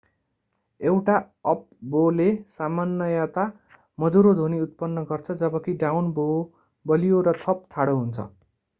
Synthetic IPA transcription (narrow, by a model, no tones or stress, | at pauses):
ewʈa | ʌp̚bolesamanːʌjat̪a | mʌd̪uɾod̪ʱoniut̪̚pʌnːʌɡʌrt͡sʰʌd͡zʌbʌkiɖawnbo | bʌlijoɾʌt̪ʰʌp̚t̪ʰaɽoɦunt͡sʰʌ̰